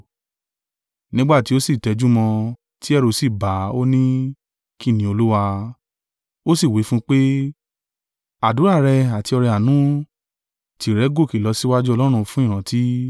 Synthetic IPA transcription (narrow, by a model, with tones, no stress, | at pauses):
nĩ˦ɡ͡ba˦˨ti˨˦o˦si˦˨tɛ˨˧d͡ʒu˦mɔ̃˧ | ti˦ɛ˦ɾo˧si˦˨ba˨˦o˦nĩ˦ | ki˦˨nĩ˨˦o˧lu˦wa˧ | o˦si˦˨wi˨˦fũ˦k͡pe˦ | a˨du˨˦ɾa˦˨ɾɛ˧a˨ti˧ɔ˧ɾɛ˧a˨nũ˨˦ | ti˨ɾɛ˨˦ɡo˦˨ki˨lɔ˧si˦wa˦d͡ʒu˦ɔ˧lɔ˦ɾ̃ũ˧fũ˦ĩ˦˨ã˨˦ti˦